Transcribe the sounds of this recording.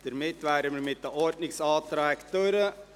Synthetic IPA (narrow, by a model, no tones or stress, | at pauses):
d̥əɾmɪtʋæːɾəməɾmɪt̚dəʔɔrdnɪksɑːtɾɛktøɾə